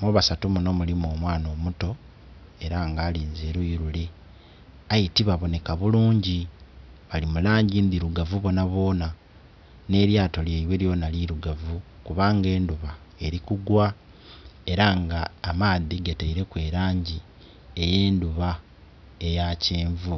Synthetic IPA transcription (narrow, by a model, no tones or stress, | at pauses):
moβasatumuno̞mulimo̞ːmwaːno̞ːmuto̞ | e̞ɾaŋɡaːliːnzeɾujiɾule̞ | ajitiβaβo̞ne̞kaβuluːɲɟi | βalimulaːɲɟind̪iɾuɡavuβo̞naβo̞ːna | ne̞ɾjaːto̞ljeiweljo̞naliɾuɡavukuβaːŋɡe̞ːnduβae̞ɾikuɡwa | e̞ɾaŋɡaːmaːðiɡateiɾe̞kwe̞ːɾaːɲɟi | eje̞ːnduβa | e̞jaceːɱvu